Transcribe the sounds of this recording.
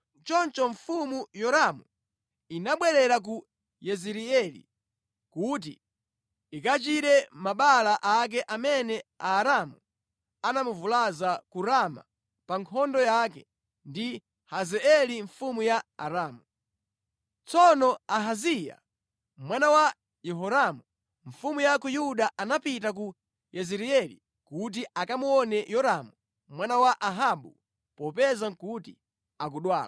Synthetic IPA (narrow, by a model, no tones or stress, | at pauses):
t͡ʃɔnt͡ʃɔɱfumujɔɾamu | inaɓwɛɾɛɾak̬u | jɛziɾiɛlḭ | kut̬ḭ | ikat͡ʃiɾɛmaɓalaʔak̬ɛʔamɛnɛaːɾamu | anamuvulazakuɾama̰ | paŋkʰɔndɔjakɛ | ndi | hazɛɛliɱfumujaa̰ɾaːmu | t͡sɔnɔaɦazija̰ | mwanawa | jɛɦɔɾamu | ɱ̩fumujakujuɗaʔanapitak̬u | jɛzɛɾiɛlḭ | kut̬iʔakamuɔnɛjɔɾamu | mwanawaʔaɦaɓṵ | pɔpɛzaŋkuti | ak̬uɗwa̰ːla